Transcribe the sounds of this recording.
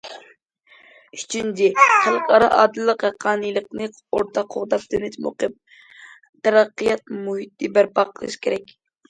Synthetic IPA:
yt͡ʃʰynd͡ʒiχælˠqʰɑɾɑʔɑ̰ːd̪ɨlˠːəqjɑqʰɑːnɨjlˠəqnɨ | oɾt̪ʰɑqʰoʁd̪ɑp̚d̪ynɪt̪mo̰qɨp̚ | t̪ɛɾɑqːɨjɑt̪̚muhit̪ːɨbæɾpɑqʰəlˠɨ̰ʃkʲʰeɾɛkʲ

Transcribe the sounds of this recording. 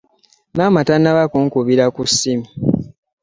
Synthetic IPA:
maːmatanːaβakuŋkuβiɾakusːimi

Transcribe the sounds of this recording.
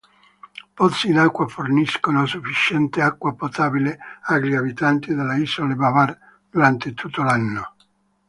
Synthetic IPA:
pɔt̪sːiːnakːwaforniskonosufːit͡ʃɛnt̪eakːwapot̪aːbileaɡɾiabit̪ant̪id̪alːaisolebavar | d̪̥uɾant̪et̪ut̪ːolanːo

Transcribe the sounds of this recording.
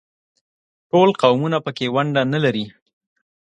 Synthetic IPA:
ʈolqawmunapəkewaɳɖanalaɾi

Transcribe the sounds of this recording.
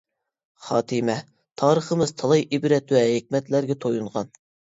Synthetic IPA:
χɑːt̪ʰɨmɛ | t̪ʰɑːɾəχəmɨz̥t̪ʰɑlˠɑjʔibɾɛt̪wɛɦek̚ʲmɛt̪læɾɡʲɛt̪ʰojunʁɑ̰n

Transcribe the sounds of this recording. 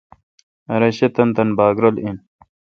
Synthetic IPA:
ɐɾɐɕet̪ɐnt̪ɐnbaːɡɾolin

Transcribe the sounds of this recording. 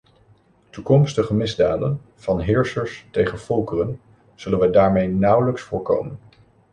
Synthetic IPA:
tukɔmstəχəmɪzdaːdən | v̥ɑnɦɪːɹsəɹstejχənfɔlˠkərən | z̥ɵlənʋədaːɹmejnʌwləksfʊːɹko̰wmən

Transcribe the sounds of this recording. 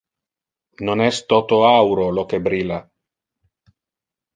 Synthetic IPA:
nonɛst̪ot̪oawɾolokebɾila

